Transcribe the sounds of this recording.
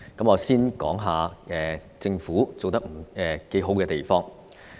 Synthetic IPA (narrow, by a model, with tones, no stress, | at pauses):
kɐ˨˥mŋɔː˨˧siː˥nkɔ̰ː˨˥ŋɦaː˨˧ɛː˨ | t͡sɪ˧ŋfuː˨˥t͡so˨wt̪ɐ˥k̚m̩˨˩ɛː˨ke˨˥jɦo˨˥wkɛː˧t̪e˨˩jfɔː˥ŋ